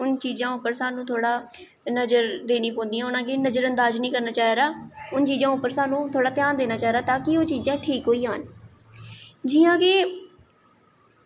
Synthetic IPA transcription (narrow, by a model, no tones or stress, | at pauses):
ʊnt͡ʃiːzãːʊpːəɾsaːnũːt̪ʰoːɽaː | nəd͡ʒəɾd̪eːnĩːpõːnd̪ijãːʊnãːkeːnəd͡ʒəɾənd̪aːznĩːkəɾnaːt͡ʃaːɦeːɾaːʊnt͡ʃiːd͡ʒãːʊpːəɾsaːnũːt̪ʰoːɽaːt̪jaːnd̪eːnaːt͡ʃaːɦɾaːt̪aːkɪoːt͡ʃiːzãːʈʰiːkɦoːiːɦaːn | d͡ʒɪːãːkeː